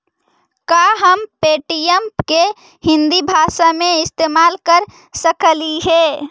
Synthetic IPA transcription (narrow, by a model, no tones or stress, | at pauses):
kaɦəmpeːʈijəmpke | hɪ̃nd̪ibʱasamẽɪst̪eːmaːlkəɾ | səkliɦe